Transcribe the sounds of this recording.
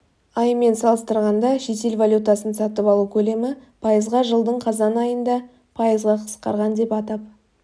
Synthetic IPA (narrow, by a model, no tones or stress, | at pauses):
ɑjme̞nsɑlˠəst̪əɾʁɑnd̪ɑʃe̞t̪e̞lvalʲjut̪ɑsənsɑt̪əpɑlˠukʲʰɵle̞mɪpʰɑjəzʁɑʒəlˠd̪əɴqʰɑzɑnɑjənd̪ɑ | pʰɑjəzʁɑqʰə̥sqɑ̰ɾʁɑnd̪e̞pɑt̪ɑp̚